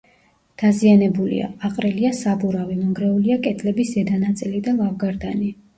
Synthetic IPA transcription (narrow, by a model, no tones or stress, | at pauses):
d̪̥azianɛbulḭa̰aqʼɾiliasabuɾavimɔŋɡɾɛuliakʼɛt̪ʼʰlɛbiszɛd̪anat̪sʼilid̪alavɡaɾd̪ani